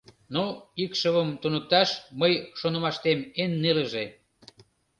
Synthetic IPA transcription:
noikʃəβəmt̪unək̚t̪ɑʃməjʃonə̆mɑʃt̪emenːeləʒe

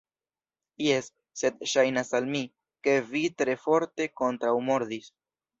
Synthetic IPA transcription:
jesː | e̞dʃajnasalmi | ke̞vitɾe̞fo̞ɾte̞ko̞ntɾawmo̞ɾdis

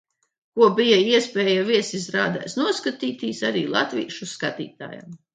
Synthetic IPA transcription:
kuɔbijaiɛspʲɛːjaviɛsizɾaːd̪ɛ̰jsnuɔskat̪iːt̪iːsaɾiːlˠa̰t̪vʲḭːʃuskat̪ḭːt̪a̰ːja̰m

